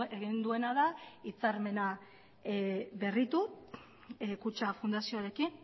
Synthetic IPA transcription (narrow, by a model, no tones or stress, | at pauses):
eɣind̪ue̞naðait͡saɾme̞na | βe̞rit̪u | kut͡ʃafund̪asioaɾe̞kin